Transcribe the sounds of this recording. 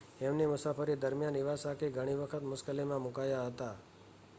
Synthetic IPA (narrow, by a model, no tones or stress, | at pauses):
emnemʊsafəɾid̪əɾmjaniʋasakeɡʱəɽ̃iʋəkʰət̪mʊskəlimãmukajaɦət̪a